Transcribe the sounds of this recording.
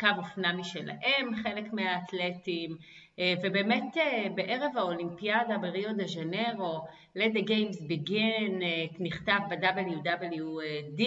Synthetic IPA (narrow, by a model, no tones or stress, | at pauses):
kavofnamiʃela̰ʔe̞mχe̞le̞kmeaːt̪letim | vebeːme̞tebeʔe̞ʁevaolimpiadabeʁio̞d̪eʒane̞ʁo̞ | ledeɡejmsbeɡenniχtavbedabeljudabeljuedi